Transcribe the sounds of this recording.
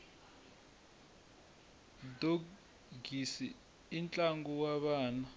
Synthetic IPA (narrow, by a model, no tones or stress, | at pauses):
do | ɡisiː | nt͡ɬʼaŋɡɔwaɓaːna